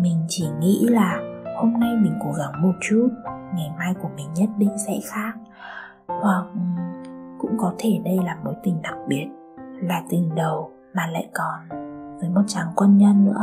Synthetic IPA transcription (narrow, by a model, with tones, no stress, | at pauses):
mï˨˩ŋ̟t͡ɕi˧˩ŋḭ˧˥laː˨˩ho˧mna˧jmï˨˩ŋ̟ko˨˦ɣa˨˦ŋmo˨˩t̚t͡ɕu˦˥t̚ŋa˨˩jmaː˧jku˧˩əmï˨˩ŋ̟ɲə˦˥t̚ɗï˧ŋ̟sɛ̰˧˥xaː˦˥k̚ | hwa˨˩k̚ʔkʊ̰˧˥ŋ͡mkɔ˨˦t̪ʰe˧˩ɗə˧jlaː˨˩mo˨˦jt̪ï˨˩ŋ̟ɗa˨˩k̚ɓi˨˩ət̚ | laː˨˩t̪i˨˩ŋɗə˨˩w | maː˨˩la̰ː˧˨jkɔ˨˩nvəː˨˦jmo˨˩t̚t͡ɕaː˨˦ŋkwə˧nɲə˧nːɨ̰˧˥ə